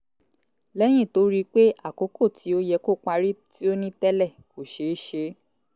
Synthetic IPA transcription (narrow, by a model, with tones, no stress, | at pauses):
lɛ˦j̃ĩ˦˨to˨˦ɾi˦k͡pe˦ʔa˦˨ko˨˦ko˦˨tʰi˨˦o˦jɛ˧ko˦k͡pa˧ɾi˦ti˦o˦nĩ˦tɛ˦lɛ˦˨ko˨ʃe˨˦ʃe˧˦